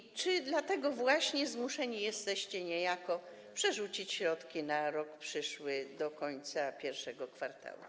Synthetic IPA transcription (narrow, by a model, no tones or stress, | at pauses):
t͡ʂɘd̪lat̪ɛɡɔvwaɕɲɛzmuʂɛɲijɛst̪ɛɕt͡ɕɛɲɛjakɔ | pʂɛʐut͡ɕit͡ɕɕɾɔt̪kʲinaɾɔkpʂɘʂwɘd̪ɔkɔɲt̪sapʲjɛɾfʂɛɡɔkfaɾt̪a̰lṵ